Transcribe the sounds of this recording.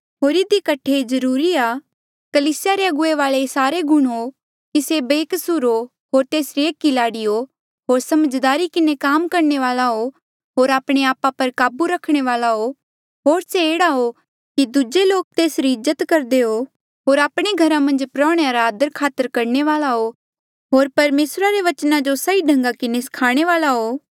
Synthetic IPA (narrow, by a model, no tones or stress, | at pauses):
ɦoːɾɪd̪ikɐʈʰːezɐɾuːɾiaː | kɐliːsɪjaɾeɐɡʊeʋaːlesaːɾeɡʱʊɽ̃o | kisebeːkɐsuɾo | ɦoːɾt̪eːsɾieːkːilaːɽijo | ɦoːɾsɐməd͡ʒd̪aːɾikɪnekaːmkɐɾɳeʋaːlaɦo | ɦoːɾaːpɽ̃eaːpapɐɾkaːbuɾɐkʰɽ̃eʋaːlaɦo | ɦoːɾseeːɽaɦo | kid̪ʊd͡ʒeloːk̚t̪eːsɾiɪzːət̪kɐɾd̪eɦo | ɦoːɾaːpɽ̃eɡʱɐɾãmɐ̃nd͡ʒpɾɔ̃ːɽ̃eaɾaːd̪əɾkʰaːt̪əɾkɐɾɳeʋaːlaɦo | ɦoːɾpɐɾmeːsɾaɾeʋɐt͡ʃnãd͡ʒosɐiɖʱɐ̃ŋɡakɪnesɐ̥kʰaːɽ̃eʋaːlaɦoː